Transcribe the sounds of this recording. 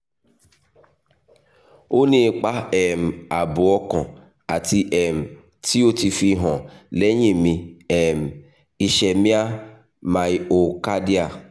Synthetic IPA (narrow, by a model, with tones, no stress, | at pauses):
o˦nĩ˧k͡pa˦ɛ˨m̩˨a˨bu˨ɔ˧kɔ̃˨ | a˨ti˧ʔɛ˨m̩˨ | ti˦o˦ti˧fi˧ɦɔ̃˨lɛ˦ɲĩ˦˨mĩ˧ɛ˨m̩˨ | i˨ʃɛ˨mĩ˦a˦ | mã˨i˨o˨ka˦di˦a˨